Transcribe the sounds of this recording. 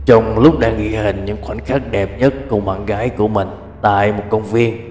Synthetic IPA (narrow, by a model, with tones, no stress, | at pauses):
t͡ɕɔ˧wŋ͡mlʊ˦˥k͡p̚ɗaː˧ŋɣḭ˧˥hï˨˩ŋ̟ɲɨ̰˧˥ŋxwa˧˩nxaː˦˥k̚ɗɛ˨˩p̚ɲə˦˥t̚kʊ˧˩ma̰ː˧˨nɣaː˨˦jku˧˩əmï˨˩ŋ̟ | t̪a̰ː˧˨jmo˨˩t̚kə˧wŋ͡mvi˧ən